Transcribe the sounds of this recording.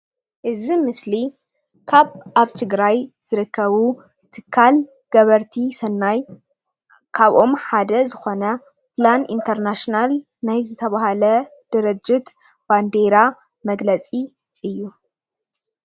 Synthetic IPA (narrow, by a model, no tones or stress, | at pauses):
ʔɨzimɨsli | kʰaβaβt̪ʰɨɡɾajz̥ɨɾɨkʰːɐβu | t̪ʰɨkʰːal | ɡ̥ɐβɐɾt̪ʰisɐnːaj | kʰaβʔo̞mħad̪ɐzɨxo̞nɐ | planḭnt̪ʰɐɾnaʃnal | najzɨt̪ʰɐβahalɐd̪̥ɨɾɨd͡ʒːɪt̪ | b̥and̪e̞ɾa | mɐɡlɐt͡sʼi | ʔɨjːu